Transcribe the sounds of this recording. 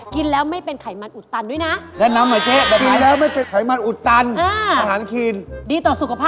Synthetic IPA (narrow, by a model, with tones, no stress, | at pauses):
ki˧nlɛː˦˥wma˥˩jpe˧nkʰa˨˩˦jma˧nʔu˨˩t̪ːa˧ndu˦˥˩jna˦˥ʔdɛː˥˩na˧˥mːa˨˩˦t͡ɕe˦˥˧ki˧n˦lɛː˦˥wma˥˩jpe˧nkʰa˨˩jma˧nʔu˨˩t̪ːa˧nʔaː˧a˧haː˩˦nkʰi˧ndiː˧t̪ɔː˨˩su˨˩kʰa˧pʰaː˥˩